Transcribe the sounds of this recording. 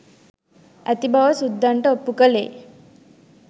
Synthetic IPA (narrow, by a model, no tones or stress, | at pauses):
æt̪ibʱaʋəsud̪ʱːaɳʈəopːukəlḛː